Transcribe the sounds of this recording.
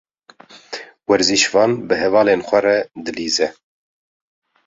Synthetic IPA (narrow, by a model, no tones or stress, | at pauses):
wɛɾziʃvɑːnbɨɦɛvɑːleːnxʷɛɾɛd̪ɨliːzɛ